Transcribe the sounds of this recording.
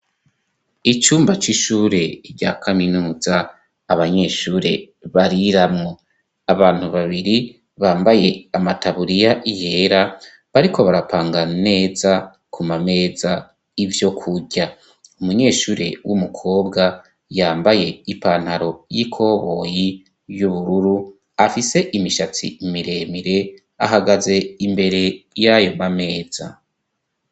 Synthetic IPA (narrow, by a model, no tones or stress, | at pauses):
it͡ʃuːmbat͡ʃiʃuːɾe̞ɾɟa̰ːkʰaminuːzaː | βaɲe̞ːʃuːɾe̞ | βaɾiɾamŋo | aβaːn̥huβaβiɾi | βaːmbaje̞amataβuɾijaʔije̞ːɾa | βaɾiko̞βaɾapʰaːŋɡane̞ːza | kʰumame̞ːza | ivjo̞kʰuɟa | umuɲe̞ːʃuːɾḛwʔumukʰo̞ːbɡa | jaːmbaje̞ipaːn̥haɾo̞jikʰo̞βo̞ːji | juβuɾuɾu | afise̞ʔimiʃat͡sḭmiɾe̞ːmiɾe̞ | a̰ɦaɡaze̞imbe̞ɾe̞jajo̞mame̞ːz̥a̰